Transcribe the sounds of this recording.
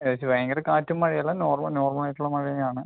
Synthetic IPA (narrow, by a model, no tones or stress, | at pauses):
jesiʋɐjɐŋɡɐɾekaːtːumːɐɻijɐlːɐnoːrmɐnoːrmɐlɐjtʈːuɭːɐmɐɻijɐjaːɳɨ